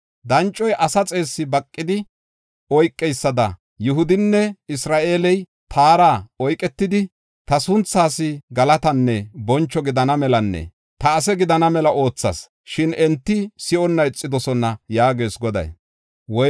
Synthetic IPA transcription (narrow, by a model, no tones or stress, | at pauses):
d̪ɐnt͡ʃʼːɔjʔɐsɐt͡sʼe̞ːsːɪbɐkʼːɪd̪ɪ | ɔjkʼːɛjsːɐd̪ɐ̰ | jʊɦʊd̪ɪnːɛɪsɾaːʔeːlɛj | t̪ʰaːɾaːɔjkʼɛt̪ːɪd̪ɪ | t̪ɐsʊnt͡sːaːsɪɡɐlɐt̪ɐnːɛbɔnt͡ʃːɔɡɪd̪ɐnɐmɛlɐnːɛ̰ | t̪ɐːsɛɡɪd̪ɐnɐmɛlɐʔo̞ːt͡sːɐ̰s | ʃɪnɛnt̪ːɪsɪʔɔnːɐɛt͡sʼːɪd̪ɔsɔnːɐjaːɡe̞ːsɡɔd̪ɐ̰j | wɔ